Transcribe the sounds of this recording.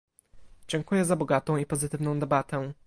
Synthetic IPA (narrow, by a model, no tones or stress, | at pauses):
d͡ʑɛŋkujɛzabɔɡat̪ɔ̃w̃ipɔzɘt̪ɘvnɔ̃w̃d̪ɛbat̪ɛ